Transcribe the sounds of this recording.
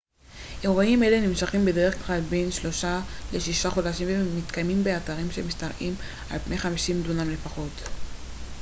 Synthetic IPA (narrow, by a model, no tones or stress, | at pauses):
ʔeʁaime̞lenimʃaχimbe̞de̞ʁeχklalbe̞nʃlo̞ʃale̞ʃiʃaχo̞daʃimvemit̪kajmimbeataʁimʃe̞mistaʁʔim | ʔa̰lpnejχamiʃimdunamle̞faχo̞t